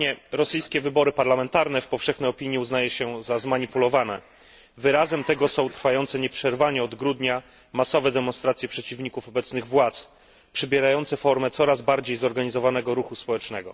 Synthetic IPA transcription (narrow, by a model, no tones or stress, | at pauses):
ɲɛɾɔsɘjskʲɛvɘbɔɾɘpaɾlamɛnt̪aɾnɛfpɔfʂɛxnɛjɔpʲiɲjiuznajɛɕɛzazmaɲipulɔvanɛ | vɘɾazɛmt̪ɛɡɔsɔ̃w̃t̪ɾfajɔnt̪sɛɲɛpʂɛɾvaɲɛɔd̪ɡɾud̪ɲa | masɔvɛd̪ɛmɔnst̪ɾat̪sʲjɛpʂɛt͡ɕivɲikufɔbɛt̪snɘɣvwat̪s | pʂɛbʲjɛɾajɔnt̪sɛfɔɾmɛt̪sɔɾazbaɾd͡ʑejzɔɾɡaɲizɔvanɛɡɔɾuxuspɔwɛt͡ʂnɛɡɔ̰